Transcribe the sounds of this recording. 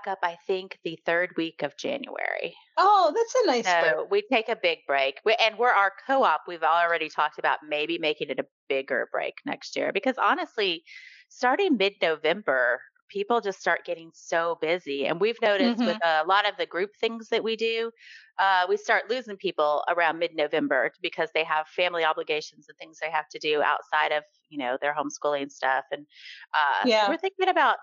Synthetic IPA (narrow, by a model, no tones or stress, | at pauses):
kʌpaɪθɪ̃ŋkðɨθɜ˞d̚wikʌvd͡ʒæ̰̃njʉ̰ɛ̰ɹḭ | oʊðætsɨnaɪsoʊwitʰeɪkɨbɪɡ̚bɹeɪkwɪʔɨ̃nwɪ˞ə˞kʰoʊɑpwivɔl̩ˠl̩ˠɹɛɾitʰɔk̚tɨbaʊt̚meɪbimeɪkɪ̃ŋɨɾɨ | b̥ɪɡə̰˞bɹḛɪknɛ̰kst̚jɪ̰ɹbɨkʰʌzɑnɨstˡlistɑɹɾɪ̃ŋmɪdⁿnoʊvɛ̃mbə˞ | pʰipl̩ˠd͡ʒʌststɑɹt̚ɡ̥ɛɾɪ̃ŋsoʊbɪziɨ̰̃nwivnoʊɾɨst̚wɪðəlɔɾʌvðɨɡɹʉp̚θɪ̃ŋzðɨʔ̚widʉ | ʌwistɑɹtˡlʉzɪ̃ŋpʰipl̩ˠə̰˞ãʊ̃nmɪdⁿnoʊvɛ̃mbə˞b̥ɨkʰʌzðeɪəv̥fæ̃mliɑbləɡeɪʃn̩z̃nθɪ̃ŋzðeɪhæftɨdʉa̰ʊtsaɪɾʌv̥jɨnoʊðə˞ɦõʊ̃mskulˠɪ̃ŋɨ̃nstʌfɨ̃nʔʌ̰wɪɹθɪ̃ŋkɪ̃ŋɨbaʊt̚